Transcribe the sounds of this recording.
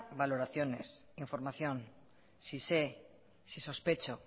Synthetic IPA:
balo̞ɾaθjo̞ne̞siɱfo̞ɾmaθjõ̞n | sise | siso̞spe̞t͡ʃo

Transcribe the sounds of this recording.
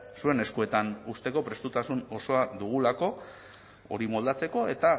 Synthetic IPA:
sue̞ne̞skue̞t̪anust̪e̞ko̞pɾe̞st̪ut̪asuno̞so̞ad̪uɣ̞ulako̞ | o̞̰ɾimo̞ld̪at͡se̞ko̞e̞t̪a

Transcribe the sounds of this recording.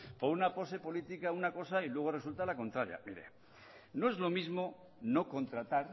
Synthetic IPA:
poɾunapo̞se̞po̞lit̪ikaunako̞sailwe̞ɣ̞ore̞sult̪alako̞nt̪ɾaɾja̰miɾḛ | no̞e̞zlo̞mizmo̞ | no̞ko̞nt̪ɾat̪aɾ

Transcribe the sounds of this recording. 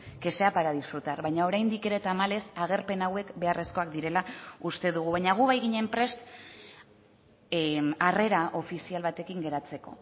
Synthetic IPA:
ke̞se̞apaɾaðisfɾut̪aɾβajɲao̞ɾajnd̪ike̞ɾe̞t̪amale̞saɣ̞e̞ɾpe̞nawe̞kbe̞are̞sko̞akd̪iɾe̞laust̪e̞ðuɣ̞uβajɲaɣ̞uβajɣiɲe̞mpɾe̞st̪ | are̞ɾaʔo̞fisialβat̪e̞kiŋɡe̞ɾat͡se̞ko̞̰

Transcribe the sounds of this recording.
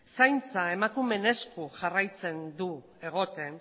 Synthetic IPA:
sajnt͡sae̞makume̞ne̞skuʝarajt͡se̞nd̪u | e̞ɣ̞o̞t̪e̞n

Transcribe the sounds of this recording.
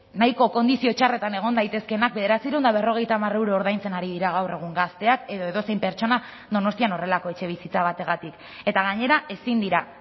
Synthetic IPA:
najko̞ko̞nd̪isio̞t͡ʃare̞t̪ane̞ɣ̞o̞nd̪ajt̪e̞ske̞nak̚be̞ðe̞ɾat͡siɾend̪aβe̞ro̞ɣ̞e̞jt̪aːmare̞wɾoːɾðajnt͡se̞naɾiðiɾaɣ̞awre̞ɣ̞uŋɡast̪e̞ake̞ðo̞e̞ðo̞se̞jmpe̞ɾt͡ʃo̞na | ðo̞no̞st̪iano̞re̞lako̞e̞t͡ʃe̞β̞isit͡saβ̞at̪e̞ɣat̪ik | e̞t̪aɣ̞aɲe̞ɾae̞sind̪iɾa

